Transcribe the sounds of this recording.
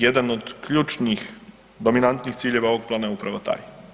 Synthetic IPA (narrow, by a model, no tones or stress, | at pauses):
jɛd̪ənɔt̪klʲjuːt͡ʃnix | d̪ɔminant̪nixt̪siːljɛwaokplanaupɾaʋat̪a̰j